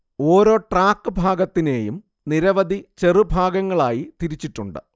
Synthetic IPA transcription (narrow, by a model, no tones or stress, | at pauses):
o̞ːɾo̞ːʈraːkːɨbʱaːɡɐt̪ːine̞ːjum | niɾɐʋɐd̪ʱit͡ɕe̞rɨbʱaːɡɐŋːɐɭaːjit̪iɾit͡ɕːiʈːuɳɖɨ̰